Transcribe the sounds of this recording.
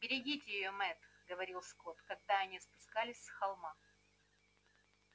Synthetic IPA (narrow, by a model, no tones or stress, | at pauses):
bʲɪɾʲɪɡʲitʲɪjɪjomɛt̪ɡəvɐɾʲilˠskot̪kɐɡ̚d̪aɐnʲispʊskalʲɪsʲsxɐlˠma